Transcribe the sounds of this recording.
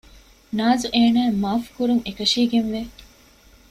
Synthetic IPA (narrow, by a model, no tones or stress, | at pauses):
naːzuʔeːnæːemaːfkuɾuŋekɐʃiːɡenʋe